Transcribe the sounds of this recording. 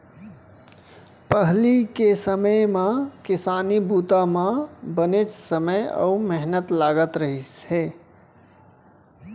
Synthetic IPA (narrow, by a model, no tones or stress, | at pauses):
pəɦlikesəməjmãkɪsaːnibuːt̪amãbənet͡ʃsəməjɔ̰umeɦnət̪laːɡət̪ɾəɦise